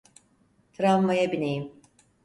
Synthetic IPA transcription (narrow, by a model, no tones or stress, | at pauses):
t̪ʰɾanmajabinejim